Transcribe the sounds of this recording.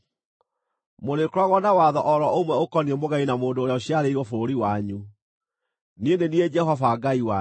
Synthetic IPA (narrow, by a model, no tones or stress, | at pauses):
moɾekɾwaɣwɔnawaːðɔʔɔɾɔomwɛokɔniemoɣainamoːndoːɾeaoɕiaɾeiɾwɔfoɾoɾiwaɲu | nendenied͡ʒɛɦɔfaɡaiwa